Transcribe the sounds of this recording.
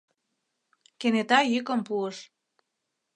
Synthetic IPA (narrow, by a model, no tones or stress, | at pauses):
kenet̪ɑjykə̆mpuəʃ